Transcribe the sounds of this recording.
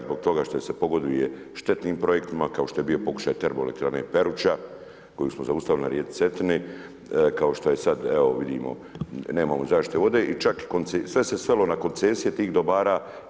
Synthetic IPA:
zbo̞ɡ̚t̪o̞ɡaʃt̪o̞ese̞po̞ɡo̞d̪ʋijeʃt̪e̞t̪niːmpɾo̞je̞kt̪imakao̞ʃt̪o̞je̞bio̞po̞ku̥ʃaːjt̪eɾboelekt̪ɾanepe̞ɾut͡ʃa | ko̞juːsmozaust̪aʋilina̰ɾjeːd̪se̞t̪ini | kao̞ʃt̪oje̞sad̪eoʋid̪ḭːmo̞̰ | ne̞ːmamozaːʃt̪it̪eʋo̞d̪e̞ʔit͡ʃakkonesʋe̞se̞sʋelo̞nako̞nt̪seːsijet̪iːɣd̪obaːɾaː

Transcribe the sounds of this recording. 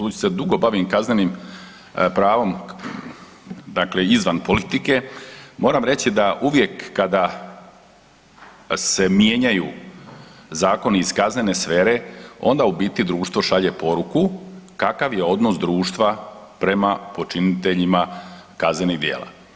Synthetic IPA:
t̪uːt͡ɕsed̪uɡo̞baʋimkazne̞nim | pɾaːʋo̞m | d̪akle̞izʋanpo̞lit̪ike̞mo̞ːɾamɾe̞t͡ɕid̪aʔuʋje̞kːad̪a | se̞mje̞ɲaju | zaːko̞niiskazne̞ne̞sfe̞ːɾe̞o̞̰nd̪aubiːt̪id̪ɾuːʃt̪ʋo̞ʃaʎe̞po̞ɾukukakaʋje̞o̞d̪no̞sd̪ɾuːʃt̪ʋa | pɾe̞mapo̞t͡ʃinit̪e̞ʎima | kazne̞niɣd̪jḛːla̰

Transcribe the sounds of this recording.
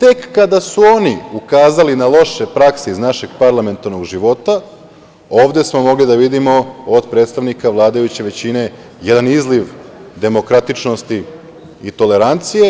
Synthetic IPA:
t̪e̞kːad̪asuo̞niukaːzalinalˠo̞ʃe̞pɾakseiznaʃe̞ɡpaɾlˠame̞nt̪aɾno̞ɡʒiʋo̞t̪a | o̞ːʋd̪e̞smo̞mo̞ɡlid̪aʋid̪imo̞od̪pɾe̞ːt̪st̪aʋnikaʋlˠaːd̪ajut͡ɕe̞ʋe̞t͡ɕine̞ | jed̪anizliʋd̪e̞mo̞kɾat̪it͡ʃnost̪i | it̪o̞le̞ɾant̪sije

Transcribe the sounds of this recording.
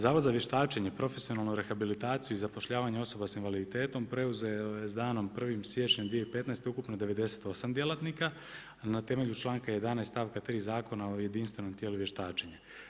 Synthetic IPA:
zaːʋozaʋje̞ʃt̪aːt͡ʃeɲepɾo̞fesijo̞naːlˠnuɾe̞xabilit̪aːt̪sijuizapo̞ʃʎaːʋaɲeo̞so̞basinʋalid̪it̪e̞ːt̪o̞mpɾe̞uzeojezd̪aːno̞mpr̩ʋimsje̞t͡ʃɲemd̪ʋieipe̞t̪naest̪eukupnod̪e̞ʋe̞d̪e̞se̞̥t̪o̞samd̪je̞lˠat̪nika | nat̪e̞me̞ʎut͡ʃlˠaːŋkaje̞d̪anast̪aːʋkat̪ɾiːzaːko̞nao̞je̞d̪inst̪ʋe̞no̞mt̪jeluʋjeʃt̪aːt͡ʃeɲa

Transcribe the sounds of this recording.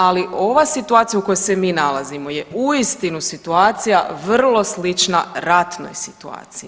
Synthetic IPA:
aliʔo̞ʋasit̪uaːt̪ijuko̞jose̞miːnalˠazimo̞jeuist̪inusit̪uaːt̪sija̰ʋr̩lˠo̞slit͡ʃna̰ɾat̪no̞̰jsi̥t̪ua̰ːt̪siji

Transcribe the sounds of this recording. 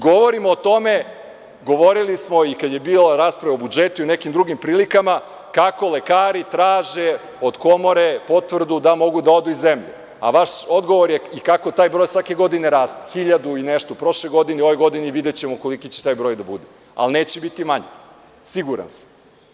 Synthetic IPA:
ɡoʋo̞ɾimoːt̪o̞me̞ | ɡo̞ʋoɾilismo̞ikad̪je̞biːlaɾaːspɾaʋaobud͡ʒet̪uiunekimd̪ɾuɡimpɾiːlikama | kako̞le̞kaːɾit̪ɾaːʒe | o̞d̪ko̞moɾepo̞t̪ʋr̩d̪ud̪amo̞ɡud̪aod̪uizemʎe | a̰ʋaʃo̞d̪ɡo̞ʋoɾjeikako̞t̪aːjbɾo̞jsʋake̞ɡo̞d̪ineɾaːst̪e̥xiʎad̪uineʃt̪opɾo̞ʃlejɡo̞d̪ineo̞ʋojɡo̞d̪iniʋid̪et͡ɕemoko̞likit͡ɕe̥t̪aːjbɾo̞jd̪abud̪e | a̰lneːt͡ɕebit̪imaɲḛ | siɡuɾa̰nsḁm

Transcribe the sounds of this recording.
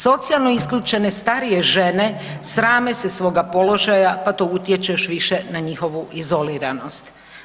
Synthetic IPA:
so̞t̪sialˠnoiskʎut͡ʃe̞ne̞st̪aɾije̞ʒe̞ne̞ | sɾaːmesesʋo̞ːɡapo̞lo̞ʒajapat̪out̪jet͡ʃeʃʋiʃe̞naɲixo̞ʋuʔizo̞liɾano̞st̪

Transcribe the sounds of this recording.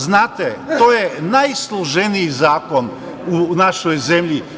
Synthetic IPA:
znaːt̪et̪oːjenajslˠoʒeniizaːko̞n | unaʃojze̞mʎi

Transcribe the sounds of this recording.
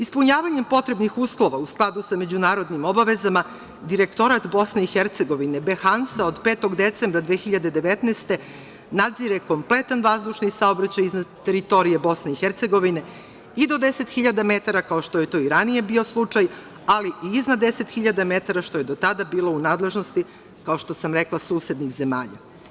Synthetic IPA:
ispuɲaːʋaɲempo̞t̪ɾe̞bnixuslo̞ʋausklˠad̪usame̞d͡ʑunaːɾo̞d̪nimo̞baʋe̞zama | d̪iɾekt̪o̞ɾat̪bo̞sne̞ixeɾt̪se̞ɡo̞ʋinebexansaod̪peːt̪o̞ɡd̪et̪sembɾad̪ʋeːxiʎad̪e̞d̪eʋet̪neːst̪e̞ | nad̪ziɾeko̞mple̞t̪anʋazd̪uʃnisao̞bɾat͡ɕajiznad̪t̪eɾit̪o̞ɾije̞bo̞sne̞ixeɾt̪se̞ɡo̞ʋine̞ | id̪o̞d̪e̞se̞t̪xiʎad̪ame̞t̪aɾakao̞ʃt̪o̞je̞t̪oːiɾanije̞bio̞slˠut͡ʂaj | aliʔiiznad̪e̞se̞t̪xiʎad̪ame̞t̪aɾaʃt̪o̞je̞d̪o̞t̪ad̪abiːlo̞unaːd̪le̞ʒno̞st̪i | kao̞ʃt̪o̞samɾeklˠasuːse̞d̪nixzema̰ːʎa̰

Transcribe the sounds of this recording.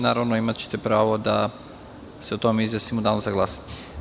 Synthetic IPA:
naːɾaʋnoimat̪t͡ɕe̥t̪epɾaːʋo̞d̪a̰ | seot̪omeizʋesimod̪anosaɡlˠasḁt̪e

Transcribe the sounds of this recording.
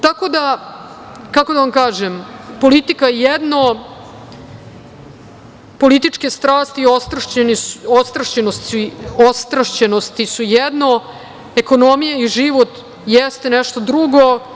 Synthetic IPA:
t̪ako̞d̪a | kakod̪aʋamkaːʒempo̞lit̪ikajɛd̪no | po̞lit̪it͡ʂkest̪ɾaːst̪iost̪ɾaeniost̪ɾaʃt͡ɕenost̪siost̪ɾaʃt͡ɕenost̪isujɛd̪no | eko̞nomijaiʒiʋo̞t̪ | jɛst̪enɛʃt̪od̪ɾuɡo̞

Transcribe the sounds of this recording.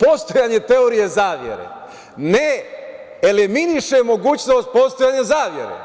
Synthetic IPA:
po̞st̪ojaɲe̞t̪e̞oɾije̞zaːʋjḛɾḛ | ne | eliminiʃemo̞ɡuːt͡ɕno̞ːst̪̚po̞st̪ojaːɲezaːʋje̞̰ɾḛ

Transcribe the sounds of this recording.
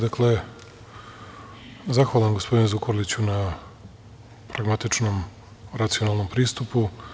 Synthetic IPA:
d̪akle | zaxʋaːlˠamɡo̞spo̞d̪inezukʰoɾlit͡ɕuna | pɾaɡmat̪it͡ʃnom | ɾat̪sijo̞nalˠno̞mpɾiːst̪upu

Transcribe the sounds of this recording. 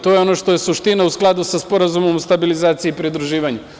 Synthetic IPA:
t̪o̞jeo̞noʃt̪o̞je̞suʃt̪inausklˠad̪usaspo̞ɾazumo̞most̪abilizaːt̪siiːpɾid̪ɾuʒiːʋaɲu

